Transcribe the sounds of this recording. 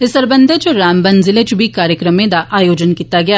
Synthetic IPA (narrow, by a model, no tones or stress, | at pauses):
ɪsəɾbə̃nd̪ʱət͡ʃoɾaːmbɐnzɪlət͡ʃbʱikaːɾjəkɾəmẽd̪aʔaːjoːd͡ʒənkiːt̪aɡɐjaː